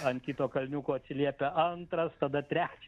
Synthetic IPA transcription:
ɐnkʲiːt̪oːkɐlʲnʲuːkoːɐt̪ʲsʲɪlʲiɛpʲeʔɐnt̪ɾɐst̪ɐd̪ɐt̪ʲɾʲæːt͡ʃʲɛ

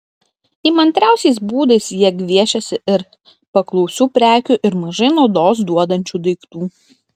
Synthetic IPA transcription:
imɐnʲt̪ʲɾʲæˑʊsʲɛɪs̬buːd̪ɐɪsjiɛɡʲʋʲiɛʃʲɛsʲɪɪɾ | pɐklˠɔʊsʲuːpʲɾʲæːkʲʊʔɪɾmɐʒɐɪnɐʊd̪oːsd̪uɔd̪ɐnʲt͡ʃʲuːd̪ɐɪkt̪uː

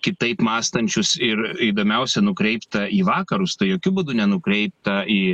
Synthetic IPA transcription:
kʲɪt̪ɐɪpmɑːst̪ɐnʲt͡ʃʲʊsɪɾiːd̪oːmʲɛʊsʲɛnʊkɾʲɛɪpt̪ɐiːʋɑːkɐɾʊst̪ɐɪjoːkʲʊbʊd̪ʊnʲɛnʊkɾʲɛɪp̚t̪ɐiː

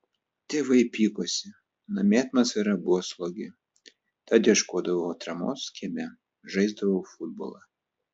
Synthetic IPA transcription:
t̪ʲeʋɐɪpʲiːkosʲɪ | nɐmʲeːt̪nɐsɪɾɐbʊʋɔslˠɔɡʲɪ | t̪ɐd̪ʲiɛʃkuɔd̪ɐʋot̪ɾɐmo̰ːskʲimʲɛ | ʒɐɪzd̪ɐʋoʊfʊd̪̚bo̰lˠɑ

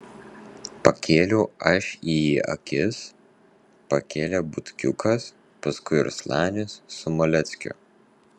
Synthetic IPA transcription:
pɐkʲeːlʲuɐʃʲiːiɐ̰kʲɪs | pɐkʲeːlʲeːbʊt̪ʲkʲʊkʰɐs | pɐskʊɪɪ̰ɾslˠæːnʲɪsːʊmɔlʲɛt̪sʲkʲʊ̰

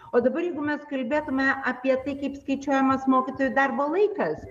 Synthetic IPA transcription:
oːd̪ɐbɐɾjɛɪɡʊmʲɛskɐlʲbʲeːt̪ʊmʲɛʔɐpʲiɛt̪ɐɪkɐɪpskɐɪt͡ʃʲuɔjɛmɐsmoːkʲɪt̪oːjʊd̪ɐrboːlˠɐɪkɐs

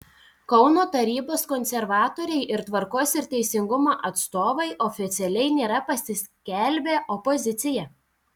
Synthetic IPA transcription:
kɒʊnoːt̪ɐɾʲiːboːskɔnʲsʲɛɾʋɑːt̪oːɾʲɛɪʔɪɾt̪ʋɐɾkoːsɪɾt̪ʲɛɪsʲɪŋɡʊmoːʔɐt̪st̪oːʋɐɪʔɔfʲɪt̪sʲɛlʲɛɪnʲeːɾɐpɐsʲɪsʲkʲɛlʲbʲeːʔɔpɔzʲɪt̪sʲɪjɛ

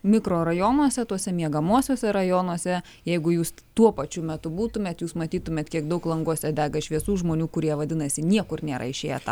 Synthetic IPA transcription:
mʲɪkroːɾɐjoːnuɔsʲɛt̪uɔsʲɛmʲiɛɡɐmuɔsʲoːsʲɛɾɐjoːnuɔsʲɛ | jɛɪɡʊjuːs | t̪uɔpɐt͡ʃʲʊmʲɛt̪ʊbuːt̪ʊmʲeːt̪juːsmɐt̪ʲiːt̪ʊmʲeːt̪kʲiɛkd̪ɐʊklˠɐŋɡuɔsʲɛd̪ʲæːɡɐʃʲʋʲiɛsuːʒmoːnʲuːkʊɾʲiɛʋɐd̪ʲɪnɐsʲɪnʲiɛkʊrnʲeːɾɐ̰ɪʃʲeːjɛt̪ɑ

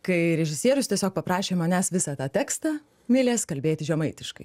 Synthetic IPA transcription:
kɐɪɾʲɛʒʲɪsʲiɛɾʊst̪ʲiɛsʲoːk̚pɐpɾɑːʃʲeːmɐnʲæːsʋʲɪsɑːt̪ɑːt̪ʲæːkst̪ɑː | mʲɪlʲeːskɐlʲbʲeːt̪ʲɪʒʲɛmɐɪt̪ʲɪʃkɐɪ

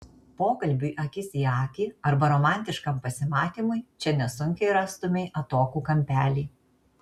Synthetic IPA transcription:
poːkɐlʲbʲuːʔɐkʲɪsʲiːɑːkʲiːɐɾbɐɾoːmɑˑnʲt̪ʲɪʃkɐmpɐsʲɪmɑːt̪ʲiːmʊɪt͡ʃʲɛnʲɛsʊŋʲkʲɛɪɾɑːst̪ʊmʲeɪʔɐt̪oːkuːkɐmʲpʲæːlʲiː

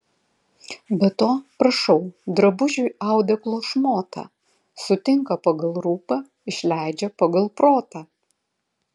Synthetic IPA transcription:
bʲɛt̪oːpɾɐʃɐʊd̪ɾɐbʊʒʲʊɑˑʊd̪ʲɛklˠoːʃmoːt̪ʰɐ̰ | sʊt̪ʲɪŋkɐpɐɡɐlˠɾuːpɐ | ɪʃʲlʲæˑɪd͡ʒʲɛpɐɡɐlˠpɾoːt̪ɐː

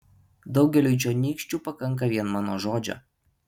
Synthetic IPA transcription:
d̪ɒʊɡʲɛlʲujt͡ʃʲonʲiːkʃʲt͡ʃʲuːpɐkɐŋk̬ɐʋʲiɛnmɑːnoʒoːd͡ʒʲo̰

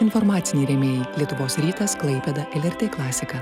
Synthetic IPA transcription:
ɪnfɔɾmɑːt̪sʲɪnʲiːɾʲɛmʲeːjlʲiɛt̪ʊʋoːsɾʲiːt̪ɐsklˠɐɪpʲɛd̪ɐʔɛlʲɛɾʲt̪ʲeːklˠɑːsʲɪkɐ

